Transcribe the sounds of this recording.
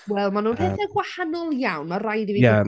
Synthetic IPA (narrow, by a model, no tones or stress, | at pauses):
wɛlˠmanuːnpɛθɛɡwahanɔlˠjawnmarajdiviːa